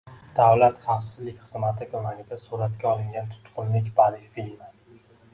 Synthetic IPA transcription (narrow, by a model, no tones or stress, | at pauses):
d̪̥avlat̪χafsɪzlɪkʲχɨzmat̪ʰɪkʰʊmaŋʲɪd̪asuɾat̪kʲʰaɒlˠɪŋɡʲant̪ʰʊ̥t̪qʰʊnlɪkʲbaɾɪfi